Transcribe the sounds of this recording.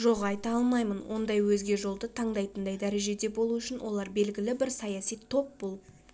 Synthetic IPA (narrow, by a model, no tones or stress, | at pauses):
ʒo̞ʁɑjt̪ɑɑlˠmɑjmənwʔo̞̰nd̪ɑjwɵzɡʲe̞ʒo̞lˠd̪ət̪ʰɑɴd̪ɑjt̪ənd̪ɑjd̪æɾe̞ʒe̞d̪e̞bo̞lˠuʏʃɪnwʔo̞̰lˠɑɾbe̞lɡʲɪlɪbɪɾsɑjɑsijt̪ʰo̞p̚bolˠ